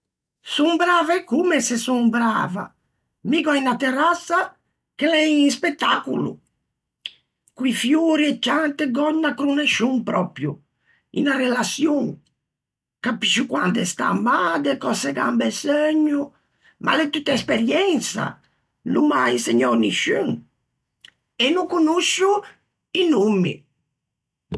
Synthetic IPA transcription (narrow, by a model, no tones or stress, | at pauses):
sumbɾaːvaɛkːumɛsɛsumbɾa̰ːva̰ | miɡɔinat̪ːɛrasːa | kɛlɛinspɛt̪ːaːkṵlṵ | kuifjuːɾiɛt͡ʃːant̪ɛɡɔɲːakɾunɛʃumpɾɔpɾju | ḭnarɛlasjuŋ | kapiʃukwa̰nd̪ɛst̪a̰mːad̪ɛkɔsɛɡa̰mbɛsøɲːu | mʔa̰lɛt̪ːut̪ːaɛspɛɾjɛnt̪sa̰ | lumajsɛɲːɔniʃuŋ | ɛnːuŋkunuʃːu | inumːḭ